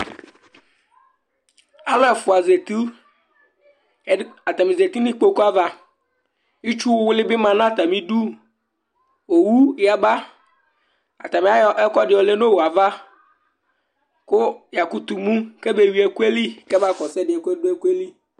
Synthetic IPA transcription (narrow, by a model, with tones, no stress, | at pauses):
a˨lɔ˦ɛ˨fʊ˨a˨ze˨t̪u˦ | a˨t̪a˨mĩ˨ze˨t̪i˦nĩ˦k͡po˦ku˦a˦va˦ | i˦t͡ʃu˦wwʊ˦lɪ˦bɪ˦mã˨nã˦˨t̪a˨mĩ˦du˦ | wo˨wu˦ja˨ba˦ | a̰˨t̪a˨mĩ˨˦a˦ɛ˦kɔ˦ɖɪ˨˦ɔ˨le˦no˦wo˨a˨va˦ | ko˦ja˨ku˦t̪u˨mũ˦ke˦be˦wi˦e˦ku˦e˦li˦ke˦m˦a˦kɔ˨sɛ˦ɖɪ˨e˨ku˦e˦du˦e˦ku˦e˦li˦